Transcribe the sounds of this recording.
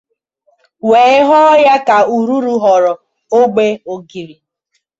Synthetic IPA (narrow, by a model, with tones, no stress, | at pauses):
we˨˦ɪ˦ɦɔ˦ja˦ka˨u˨ɾu˦ɾu˦ɦɔ˨ɾɔ˨ | o˦ɡ͡be˦o˨ɡi˨ɾi˨